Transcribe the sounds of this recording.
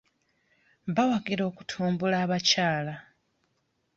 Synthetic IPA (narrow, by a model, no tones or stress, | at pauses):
βawaɡiɾo̞ːku̥tʰuːmbulaːβacaːla